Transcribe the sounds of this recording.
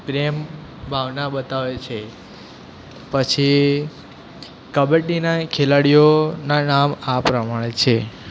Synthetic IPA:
pɾem | bʱaʋnaɓət̪aʋet͡ʃʰe | pət͡ʃʰi | kəbeʈinakʰelaɽijonanamapɾəmaɽ̃et͡ʃʰe

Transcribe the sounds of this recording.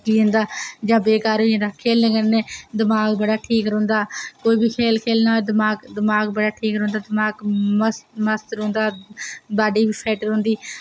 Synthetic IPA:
kiːʊ̃nd̪aːd͡ʒãːbeːkaːɾĩːnd̪aːkʰeːlnẽːkənẽːd̪ɪmaːɡbəɽaːʈʰiːkɾõːnd̪aːkoːiːbiːkʰeːlkʰeːlnaːd̪əmaːɡd̪əmaːɡbəɽaːʈʰiːkɾõːnd̪aːd̪ɪmaːɡməsməst̪ɾõːnd̪aːbaːɖiːbiːpʰɛːʈəɾõːnd̪iː

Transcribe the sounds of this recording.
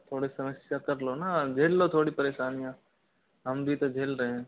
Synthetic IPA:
t̪ʰoːɽesɐməsjakɐɾlonad͡ʒʱeːlːot̪ʰoːɽipəɾeːʃaːnijã | ɦəmbʱit̪od͡ʒʱeːlɾəɦẽ

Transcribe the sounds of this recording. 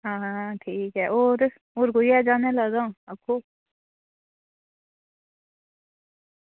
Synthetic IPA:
ɦãːʈʰiːkɦɛːʔoːɾ | oːɾkojad͡ʒaːneləɡãːəkʰːoː

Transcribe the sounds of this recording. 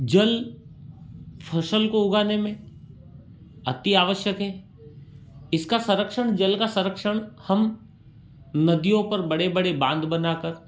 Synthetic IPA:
d͡ʒɐl | pʰɐʃəlkoʊɡaːnemẽ | ɐt̪ːiaːʋəʃjəkɦɛ̃ː | ɪskasɐ̃ɾəkʃəɳ̃d͡ʒɐlkasɐ̃ɾəkʃəɽ̃hɐm | nɐd̪ijõpɐɾbɐɽebɐɽebãːnd̪bɐnaːkəɾ

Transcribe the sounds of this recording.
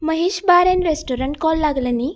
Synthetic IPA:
mɐɦiʃbaːɾenɾesʈoːɾɐɳʈ̚koːlːaːɡɐlɐnːi

